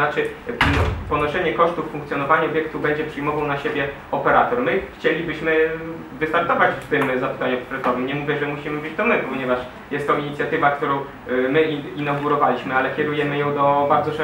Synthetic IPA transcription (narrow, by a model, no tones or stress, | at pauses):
at͡ʂɘnpɔnɔʂɛɲɛkɔʂt̪ufːuŋk̪ʲjɔnɔvaɲɛɔbʲjɛk̚t̪ubɛɲd͡ʑɛpʂɘjmɔvawnaɕebʲjɛ | ɔpɛɾat̪ɔɾmɘxt͡ɕelʲibɘɕmɘ | vɨst̪aɾt̪ɔvat͡ɕft̪ɪmzapɘ̥t̪aɲukspɾɛsɔvimɲɛmuvʲjɛʐɛmuɕimɘbid͡ʑt̪ɔmɘpɔɲɛvaʂ | jɛst̪ːɔiɲit̪sʲjat̪ɘvak̚t̪uɾɔ̃w̃ | mɘinaɡuɾɔvalʲiɕmɘalɛkʲɛɾujɛmɘjɔ̃w̃d̪ɔbaɾd̪zɔʂɛ